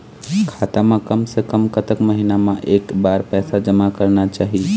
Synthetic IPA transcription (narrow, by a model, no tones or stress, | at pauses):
kʰaːt̪amãkəmsekəmkət̪əkməɦinamãʔeːkbaːɾpɛːsad͡ʒəmakəɾnat͡ʃaːɦi